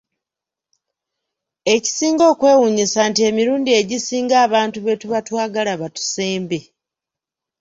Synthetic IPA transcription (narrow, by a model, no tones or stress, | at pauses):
e̞ci̥siːŋɡo̞ːkwe̞ːwuɲisaːntie̞miɾuːndie̞ɟisiːŋɡaːβaːntuβe̞tuβatwaːɡalaβatu̥seːmbe